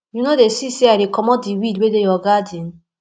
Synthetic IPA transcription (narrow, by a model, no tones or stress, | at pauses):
junodesiseaɪdekɔmɔt̚diwidwedejɔɡadĩn